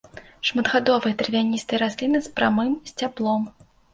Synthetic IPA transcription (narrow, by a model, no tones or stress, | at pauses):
ʂmɐd̪ɣad̪ɔvɨjɛt̪ɨrvʲanʲist̪ɨjɛɾasʲlʲinɨspɾamɨmsʲt͡sʲablˠɔm